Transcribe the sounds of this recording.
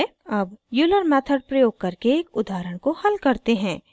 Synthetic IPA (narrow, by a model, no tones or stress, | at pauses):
ɐbjuːləɾmɛːt̪ʰəɖ̚pɾɐjoːɡ̚kɐɾkeːkʊd̪aːɾəɽ̃kohɐlkɐɾt̪eɦɛ̃ː